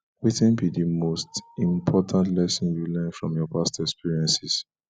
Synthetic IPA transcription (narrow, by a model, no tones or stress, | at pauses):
witɛ̃nbidimostĩmpʰɔtʰãntlɛsɔ̃njulɛ̃nfɹɔ̃mjɔpastɛkspiɹiɛ̃nsis